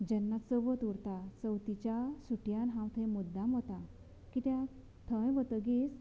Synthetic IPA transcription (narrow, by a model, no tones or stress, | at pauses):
d͡ʑənːasəʋət̪uɾt̪asəwt̪it͡ɕasuʈjanɦãwt̪ʰẽmud̪ːamɦot̪a | kit̪jã | t̪ʰə̃jʋət̪əɡis